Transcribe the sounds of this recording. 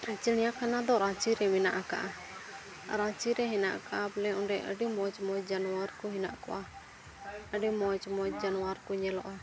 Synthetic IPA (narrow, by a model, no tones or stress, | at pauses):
ɾit͡ʃənijakʰanad̪ɔɾat͡ʃiɾɛmɛnaʔaka̰ʔa | ɾat͡ʃiɾɛɦina̰ʔkaʔaplɛɔnɖɛʔə̰ɖimɔt͡ʃmɔd͡ʒanuaɾkuɦina̰ʔkɔ̰ʔa | əɖimɔt͡ʃmɔt̪̚d͡ʒanuaɾkuɲɛlɔʔa